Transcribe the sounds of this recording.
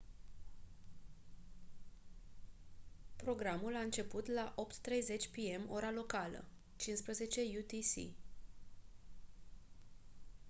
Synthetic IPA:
pɾo̞ɡɾamulaɨnt͡ʃe̞put̪laʔo̞pt̪ːɾe̞jze̞t͡ʃʲpie̞mo̞ɾalo̞kalə̰ | t͡ʃinspɾəze̞t͡ʃe̞jut̪isḭ

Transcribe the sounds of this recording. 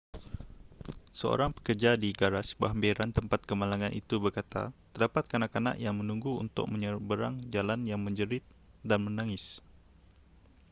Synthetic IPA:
səo̰ɾaŋpə̥kərd͡ʒadiɡaɾasbaɦambeɾant̪əmpat̪̚kəmalaŋanʔit̪ubərkat̪a̰t̪ərdapat̪̚kanaʔkana̰ʔjaŋmənuŋɡuṵnt̪ʊ̰k̚məɲəbəɾaŋd͡ʒalanjaŋməɲd͡ʒəɾɪt̪̚ | danmənaŋɪs

